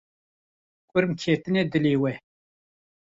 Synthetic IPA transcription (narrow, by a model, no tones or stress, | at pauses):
kʷʼʊɾmkʰet̪ɨned̪ɨleːwɛ